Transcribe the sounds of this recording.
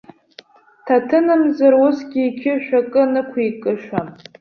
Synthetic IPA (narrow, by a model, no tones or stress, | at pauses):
tʰatʰɨnɨmzaɾwʊsɡʲiːkʲʰɪʃᶣakʼɨnɨkʷʰijkʼɨʃʷᶣa